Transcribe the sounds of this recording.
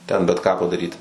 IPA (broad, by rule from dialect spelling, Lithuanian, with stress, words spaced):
ˈtʲɛn bʲɛt ˈkɑː pɐdɐˈrʲiːtʲɪ